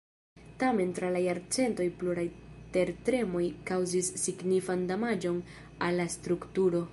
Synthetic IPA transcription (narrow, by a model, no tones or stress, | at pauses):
tame̞ntɾalajaɾt͡se̞nto̞jpluɾajte̞ɾtɾe̞mo̞jkawzisːiɡnifandamad͡ʒo̞n | alːast̪ɾuktuɾo̞